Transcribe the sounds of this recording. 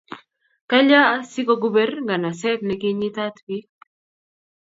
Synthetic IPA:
ka˦ʎaː˦si˦ko˦ɡu˦bɛ˦rŋɡa˨na˨sɛ˦t̪nɛ˦kɪ˦ɲi˦t̪a˦t̪bi˦

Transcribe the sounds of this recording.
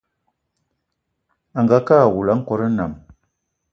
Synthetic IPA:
a˨ŋɡa˨ka˦˨wu˨la˨˦ŋ̩˦kɔ˦ɾə˦na̰˨m

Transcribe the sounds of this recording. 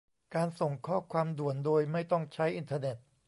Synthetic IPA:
kaː˧nso˨˩ŋkʰɔː˥˩kʰwaː˧mdu˨˩əndoː˧jma˥˩jt̪ɔ˥˩ŋt͡ɕʰa˦˥jʔi˧nt̪ʰaː˧ne˨˩t̪̚

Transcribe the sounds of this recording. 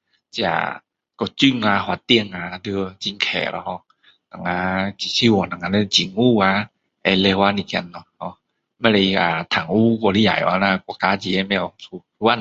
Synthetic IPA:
t͡ɕi˧a̰˧ | kɔ˧˩t͡ɕɯ˧˨ŋa˧hwa˧t̪i˧ə˨ŋa˧˦dɯ˧t͡ɕi˧ŋkʰɛ̰ː˨˩lɔ̰˧hɔ˧ | na˨ŋa˧˦t͡ɕi˧˨si˧wɔ˨na˨ŋa˧nɛ˧t͡ɕi˨ŋuː˧˨a˧˦ | ʔɛ˧le˧wa˧ni˧kɛ˧˨nːɔ˧hɔ˧ | ma˧la˧a˨t̪ʰa˨ŋuː˧˨kɔ˧li˧ja̰˨ja̰˧˦na˧kːkaː˧˦t͡ɕi˧˨ɛ˧˨mɛ˧˩˨su˧tu˧˦a˧˨n

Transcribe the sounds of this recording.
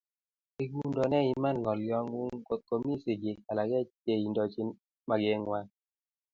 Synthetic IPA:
i˦ɡu˦ndɔ˨nɛ˦i˦ma˦˨nŋɔ˨ljɔ˦ŋwu˦ŋko˦t̪̚ko˨mi˦sɪ˨ɡɪ˨a˨la˨ɡɛ˦te˦i˨ndɔ˨t͡ʃi˦n | ma˨ɡɛ˦ŋwa˦

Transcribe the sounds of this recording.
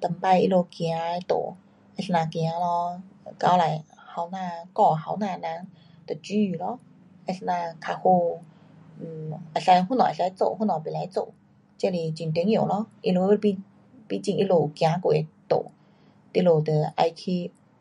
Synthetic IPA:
t̪ə˨˩mpa˧jʔḭ˧lo˧ki˧a˧˦˧t̪o̰˧˨ | ʔa˧snaː˧ki˧a˧˦lɔ˧˨ka˧˦wla˨jha˧˩˦wnaː˧˨kɔ˧˩ha˧˦wnaː˧˨na˧˥˦ŋ | t̪ə˨˩t͡ɕy˧˩lɔ˧˥˦ | ʔa˧snaː˧kʰa˧ho˧˨˩ | ʔa˧˨˩sa˧jɦu˧˨nɔ̰˨sa˧˦jt͡so̰˧˨hu˥˨nɔ˨˩pi˨la˨˧˦jt͡so̰˧˨ | t͡ɕɛ˧˨li˧˩t͡ɕi˨nt̪i˧˦ŋjlɔ˧˥˦ʔi˧lo˧pi˧ | pi˧˥˦t͡ɕi˧ŋʔi˧˥lo˧˩˨kja˧˦ko˧˨e˧˩t̪o̰˧˨ | t̪i˧lo˧˩t̪ə˨˩ʔa˧jt̪ʰi˧

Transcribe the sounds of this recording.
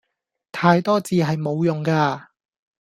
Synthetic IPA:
t̪ʰaː˧jt̪ɔː˥t͡siː˨˧ɦɐ˨jmo˨˧wjʊ˨ŋkaː˧

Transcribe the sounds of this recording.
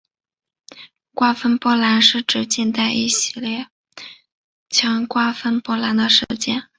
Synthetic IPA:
kwa˥fə˥npwɔ˥la˧˥nʂɻ̩˥˩ʈ͡ʂɻ̩˥t͡ɕi˥˧nt̪a˥˩ɪʔi˥˩ɕi˥ljɛ˥˩ | t͡ɕʰjɑ˧˥ŋkwa˥fə˥npwɔ˥la˧˥nd̪ə˨ʂɻ̩˥t͡ɕjɛ˥˩n

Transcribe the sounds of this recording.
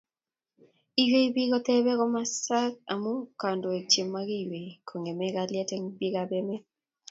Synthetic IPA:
i˨we˦i˦bi˦ɣɔ˦t̪ɛ˦bɛ˦ɣɔ˦ma˦sa˦k̚a˨mo˦ka˨ndo˨e˨t͡ʃe˨mːa˦ɣi˦we˨kʰo˨ŋe˨mɛ˦ɣa˦ljɛ˦tɛ˦ŋbi˦ɣa˨bɛ˦mɛ˦

